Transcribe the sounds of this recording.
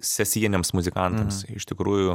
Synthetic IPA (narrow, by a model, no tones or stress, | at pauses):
sʲɛsʲiɛnʲemsmʊzʲɪkɐnt̪ɐmsɪʃt̪ʲɪkɾuːjʊ